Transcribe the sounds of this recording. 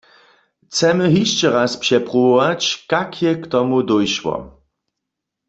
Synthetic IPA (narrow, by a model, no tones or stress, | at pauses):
t͡sɛmɨɦiʃt͡ɕɛɾaspʂɛpʁuwɔwat͡ɕkakʰjɛkt̪ɔmud̪ɔjʃwɔ̰